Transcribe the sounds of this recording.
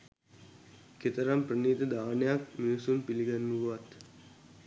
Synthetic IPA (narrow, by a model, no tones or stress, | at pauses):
ket̪əɾamprəniːd̪əd̪aːnəjak̚minusunpiliɡanːuɡɐʋat̪